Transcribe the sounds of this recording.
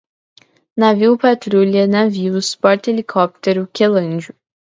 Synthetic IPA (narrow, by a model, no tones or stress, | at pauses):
naviwpat̪ɾulʲiɐnaviwspɔɾt̪elikʰɔp̚t̪eɾʊkelɐ̃nd͡ʒʊ